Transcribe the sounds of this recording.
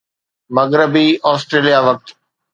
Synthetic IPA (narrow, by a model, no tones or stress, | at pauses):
mɐɡɾəbiʔɔːsʈɾeːlijaʋɐk̚t̪